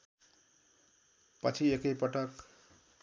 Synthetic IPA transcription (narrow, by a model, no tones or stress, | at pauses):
pʌ̰t͡sʰiekʌjpʌʈʌk